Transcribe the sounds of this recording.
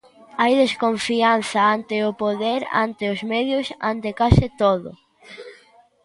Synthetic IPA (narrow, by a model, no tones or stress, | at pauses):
ajðeskoɱfian̟θɐant̪ɪʊpoðɛɾa̰nt̪ɪʊzmɛðjʊsa̰nt̪ekasɪt̪oðʊ̰